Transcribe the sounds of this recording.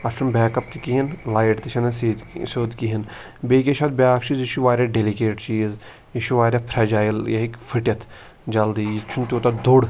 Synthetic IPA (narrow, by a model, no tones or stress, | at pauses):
ɐʃumbɛːkɐp̚t̪ikiɦinlaːjʈt̪iʃʰɐnesisoːd̪kiɦin | beːkʲeʃʰad̪̚bʲaːkt͡ʃʰiziʃuʋaːɾʲaɖelikeːʈt͡ʃiːz | iʃuʋaːɾʲaːpʰɾɛːd͡ʒaːjljɐɦikfʰəʈjɐt̪ʰ | d͡ʒɐld̪iːjit͡ʃʰunt̪ʲoːt̪ad̪oɽ